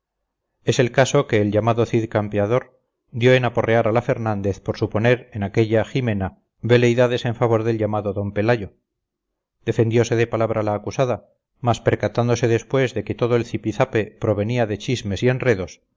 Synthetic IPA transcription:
e̞se̞lkaso̞ke̞ːlʝamaðo̞θiðkampeaðo̞ɾ | d̪jo̞enapo̞reaɾalafe̞ɾnãnd̪e̞θpoɾsupo̞ne̞ɾenake̞ʎaxime̞na | βe̞le̞jðaðe̞se̞ɱfaβo̞ɾðe̞lʎamaðoðo̞mpe̞laʝo̞ | d̪̥e̞fe̞nd̪jo̞se̞ð̞e̞palaβ̞ɾʔalaːkusaða | maspe̞ɾkat̪and̪o̞se̞ðe̞spwe̞zðe̞ke̞t̪o̞ð̞o̞elθipiθape̞pɾo̞βe̞niaðe̞t͡ʃizme̞sie̞nre̞ðo̞s

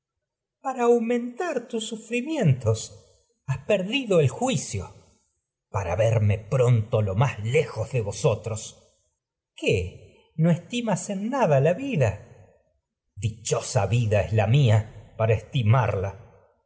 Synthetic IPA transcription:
paɾaːwmẽnt̪aɾt̪usːufɾimje̞nt̪o̞s | aspeɾðiðo̞elxwisjo̞̰ | paɾa̰βeɾme̞pɾont̪o̞lo̞maslexozðeβo̞sot̪ɾos | ke | noest̪imasenːaðalaβiða | d̪it͡ʃo̞saβiðaezlamiapaɾaest̪ima̰ɾla

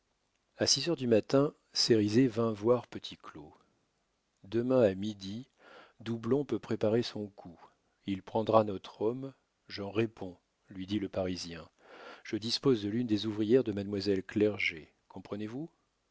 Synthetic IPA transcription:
asizœʁd̪ymat̪ɛ̃ | seʁizevɛ̃vwaʁpət̪ʰiklo | d̪əmɛ̃amid̪i | d̪ublɔ̃pøpχepaʁesɔ̃kʰu | ilpχɑ̃d̪ʁanɔt̪χɔm | ʒɑ̃ʁepʰɔ̃ | lɥid̪iləpaʁizjɛ̃ | ʒ̥əd̪ispozd̪əlynd̪ezuvʁijɛʁd̪əmad̪mwazɛlklɛʁʒe | kɔ̃pχənevu

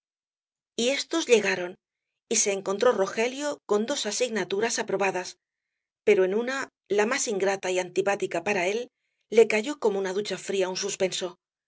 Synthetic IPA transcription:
ie̞st̪o̞zʎe̞ɣaɾo̞n | ise̞ːŋko̞nt̪ɾo̞ro̞xe̞ljo̞ko̞nd̪o̞sasiɣnat̪uɾasapɾo̞βaðas | pe̞ɾoe̞nuna | lamasiŋɡɾat̪aiant̪ipat̪ikapaɾae̞lː | e̞kaʝo̞ko̞mounaðut͡ʃafɾiaunsuspe̞nso̞

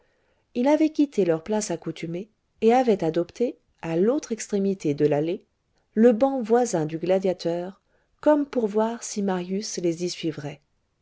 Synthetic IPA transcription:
ilavɛkʲit̪ʰelœʁplasakut̪ʰymeː | avɛt̪ad̪ɔpt̪e | alot̪χɛkst̪χemit̪ed̪əlale | ləbɑ̃vwazɛ̃d̪yɡlad̪jat̪œʁ | kɔmpuʁvwaʁsimaʁjyslezisɥivʁɛ

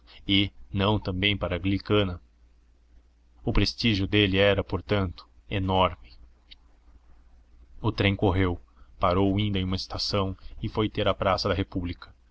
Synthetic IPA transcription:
ɪnɐ̃w̃t̪ɐ̃mbẽj̃paɾɐɡlikɐ̃nɐ | ʊpɾest͡ʃiʒʊd̪elɪɛɾɐpoɾt̪ɐ̃nt̪ʊ̥ | enɔɾmɪ | ʊt̪ɾẽj̃koɦewpaɾowĩnd̪ɐ̃j̃ũmɐɪst̪asɐ̃w̃ɪfojt̪eɾɐpɾasɐd̪ɐɦepublikɐ̥

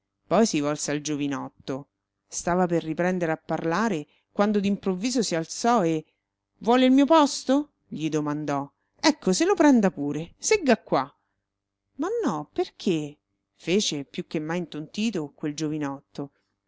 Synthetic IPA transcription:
pɔjsivɔlseald͡ʒovinɔt̪ːo | st̪aːvaperːipɾɛnd̪eɾeapːarlaːɾe | kwand̪od̪impɾovːiːzosialt̪sɔe | vwɔːleilmiːopɔst̪o | ʎid̪omand̪ɔ | ɛkːoselopɾɛnd̪apuːɾeseɡːakːwa | manːɔperkʰe | feːt͡ʃepjukːemːajint̪ont̪iːt̪okweld͡ʒovinɔt̪ːo

